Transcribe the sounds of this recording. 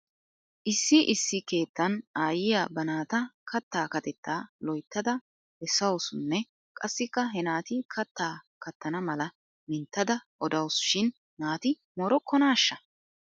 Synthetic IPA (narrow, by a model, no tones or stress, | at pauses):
ʔɪsːɪʔɪsːɪke̞ːt̪ːɐnaːjɪjaːbɐnaːt̪ɐkʰɐt̪ːaːkɐt̪ɛt̪ːaːlɔjt̪ːɐd̪ɐ | ɛsːɐwosʊnːɛ | kʼɐsːɪkːɐɦɛnaːt̪ɪkʰɐt̪ːaː | kɐt̪ʰːɐnɐmɐlɐ | mɪnt̪ːɐd̪ɐʔɔd̪ɐwsʃɪn | naːt̪ɪ | moːɾɔkːɔnaːʃːɐ